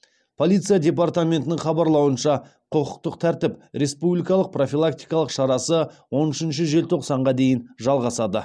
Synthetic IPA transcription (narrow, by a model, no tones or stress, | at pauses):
pʰo̞lʲˠijt̪sɨjad̪ʲe̞part̪amʲe̞nt̪ɪnɪŋχɑbɑɾlˠɑwənʃɑ | qʰəqəq̚t̪əqt̪ʰæɾt̪ɪpɾe̞spublijkɑlˠəq̚pro̞fʲilˠak̚t̪ijkɑlˠəqʃɑɾɑsəwo̞nʏʃɪnʃ̬ɪʒe̞lt̪ʰo̞qsɑɴʁɑd̪e̞jɪnʒɑlˠʁɑsɑd̪ə